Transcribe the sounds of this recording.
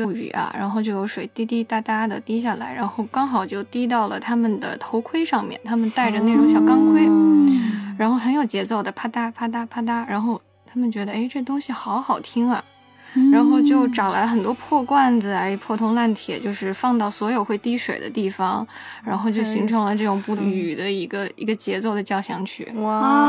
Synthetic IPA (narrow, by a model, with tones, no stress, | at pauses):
y̰˨˩ɐ̰˦ɻʔa̰˧˥nxo˥˧ʊt͡ɕjo˥˩ʊjo˧˥ʊʂwe˨˩ɪt̪i˥t̪i˥t̪a˥˩t̪a˥d̪ə˨t̪i˥ɕ̬ja˥˩la̰˧˥ɪɻa˧˥nxo˥˩ʊkɑ˥ŋxɑ˨˩ʊt͡ɕjo˥˩ʊt̪i˥t̪̬ɑ˥˩ʊlə˩t̪ʰa˥mə˨nd̪ə̰˩t̪ʰo˧˥ʊkʰwe˥ɪʂɑ˥˧ŋmjɛ̰˥˩nt̪ʰa˥mə˨nt̪a˥˩ɪʈ͡ʂə˩ne˥˩ɻʊ˧˥ŋɕjɑ˥˧ʊkɑ˥˧nkʰwe˥ɪ | ɻa˧˥nxo˥˩ʊxə˧˥njo˨˩ʊt͡ɕjɛ˧˥t͡so˥˩ʊd̪ə˩pʰa˥t̪a˥pʰa˥t̪̬a˥pʰa˥t̪̬a˥ɻa˧˥nxo˥˧ʊ | t̪ʰa˥mə˨nt͡ɕɥɛ˧˥d̪ə˧e˥ɪʈ͡ʂɤ˥˩t̪ʊ˥ŋɕi˨xɑ˧˥ʊxɑ˨˩ʊt̪ʰi˥ŋɐ̰˨˩ | ɻa˧˥nxo˥˧ʊt͡ɕjo˥˧ʊʈ͡ʂɑ˨˩ʊla˧˥ɪ˧xə˨˩nt̪wɔ˥pʰwɔ˥˧kwa˥˩nd͡z̩˨˩a˧˥ɪpʰwɔ˥˩t̪ʰʊ˥ŋla˥˩nt̪ʰjɛ̰˨˩˦t͡ɕjo˥˧ʊʂɻ̩˥˧fɑ˥˧ŋt̪ɑ˥˩ʊswɔ˧˥jo˨˩ʊxwe˥˩ɪt̪i˥ʂwḛ˨˩ɪd̪ə̰˦t̪i˥˩fɑ˩ŋ | ɻa˧˥nxo˥˧ʊt͡ɕjo˥˩ʊɕi˧˥ŋʈ͡ʂʰɤ˧˥ŋlə˧ʈ͡ʂɤ˥˩ʈ͡ʂʊ˨˩ŋpu˥˩y˨˩d̪ə˦i˧˥ɡə˧ḭ˧˥ɡə˧t͡ɕjɛ˧˥t͡so˥˩ʊd̪ə˩t͡ɕjɑ˥˩ʊɕjɑ˧˥ŋt͡ɕʰy̰˥˩